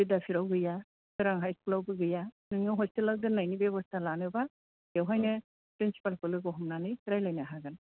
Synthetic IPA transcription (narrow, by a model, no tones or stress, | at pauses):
bidapʰiɾawɡɯja | kɯɾaŋɦajskulawbɯɡɯjanɯŋawɦɔstɯlawdɯnajnibebɔstʰalanɯba | ɡewɦajnɯ | pɾinsi̥palkɯlɯɡɔɦɔmnanɯjɾajlajnaaɦaɡan